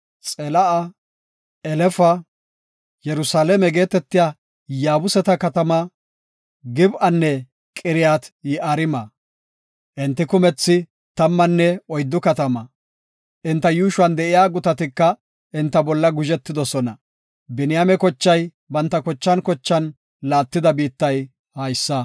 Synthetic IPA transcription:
t͡sʼɛlɐʔɐ | ɛlɛfɐ | jɛɾʊsaːlɛmɛɡe̞ːt̪ɛt̪ːɪja | jaːbʊsɛt̪ɐkɐt̪ɐmɐ | ɡɪbʔɐnːɛ | kʼɪɾɪjaːt̪jɪʔɐɾɪmɐ | ʔɪnt̪ːɪkʊmɛt͡sːɪ | t̪ɐmːɐnːɛɔjd̪ːʊkɐt̪ɐmɐ | ʔɪnt̪ːɐjuːʃʊwɐnd̪ɛʔɪjaːɡʊt̪ɐt̪ɪkːɐ | ʔɪnt̪ːɐbɔlːɐɡʊʒɛt̪ːɪd̪ɔsɔnɐ | bɪnɪjamɛkɔt͡ʃːɐj | bɐnt̪ːɐkɔt͡ʃːɐnkɔt͡ʃːɐn | laːt̪ːɪd̪ɐbiːt̪ːɐj | hɐjsːɐ

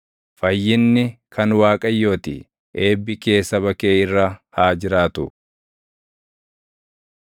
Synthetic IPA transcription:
fɐjːɪnːɪkʰɐnwaːkʼɐjːo̞ːt̪ɪ̰ | ʔe̞ːbːɪke̞ːsːɐbɐkeːɪrːɐhaːd͡ʒɪɾaːt̪ʊ

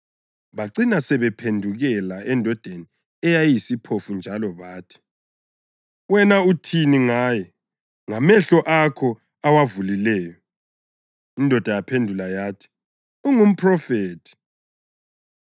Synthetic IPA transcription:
βaǀinasɛβɛpʰendʱuɣɛlaɛndʱɔd̥ʱeni | ɛjajisipʰofund͡ʒʱalɔβaːtʰi̥ | wɛnautʰiniŋaːjɛ | ŋamɛɬɔʔakʰɔ | awavulilɛːjɔ | indʱɔd̥ʱajapʰendʱulajaːtʰi̥ | uŋum̩pʰrɔfeːtʰi̥

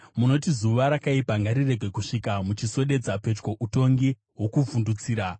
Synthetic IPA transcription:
muno̞tizuʋaɾakaipaŋɡaɾire̞ɡʱwe̞kuʂikamut͡ʃiso̞ɗe̞d͡zape̞t͡ʃko̞ʔuto̞ŋɡi | ɦwo̞kuvundut͡siːɾa

